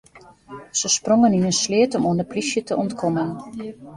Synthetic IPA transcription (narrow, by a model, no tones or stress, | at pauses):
səsproŋəninənslɪətɔmoəndəplisjətəʔɔntkʰɔmən